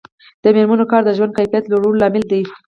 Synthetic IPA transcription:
d̪̥əmɪɾmanokɑɾd̪əʒwand̪kajfijat̪loɽullɑmɪld̪i

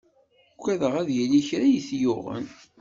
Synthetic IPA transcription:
kʷːæðəʁæðjəliçɾæjəθjʊʁə̰n

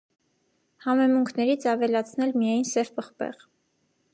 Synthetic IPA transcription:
hɑmɛmuŋkʰnɛɾit͡sʰɑvɛlɑt͡sʰnɛlmijɑjnsɛvpəχpɛ̰ʁ

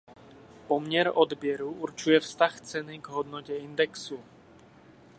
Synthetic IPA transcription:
pɔmɲɛɾɔd̪bɪjɛɾuuɾt͡ʃujɛfst̪axt͡sɛniɡɦɔd̪nɔcɛind̪ɛksu

